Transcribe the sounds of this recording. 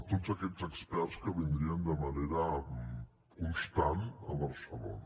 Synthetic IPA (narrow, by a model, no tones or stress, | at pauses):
t̪ozəkɛzəkspɛɾskəβind̪ɾiənd̪əməneɾə | kunst̪anəβəɾsəlo̰n